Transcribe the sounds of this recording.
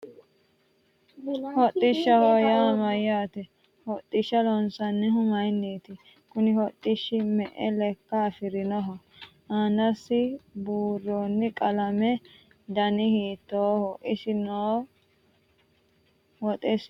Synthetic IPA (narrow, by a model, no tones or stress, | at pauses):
hɔt̪ʼːɪʃːɐhɔjɐmɐjaːt̪ɛ | hɔt̪ʼːɪʃːɐlɔnsɐnːɛɦʊmɐjnːeːt̪ɪ | kʊnɪhɔt̪ʼːɪʃːɪmɛʔɛlɛkːɐːfɪɾɪnɔɦɔ | anɐsɪbuːɾːoːnːɪkʼɐlɐmɛ | d̪ɐnɪhiːt̪ːoːhɔʔɪsɪnoː | wɔt̪ʼɛs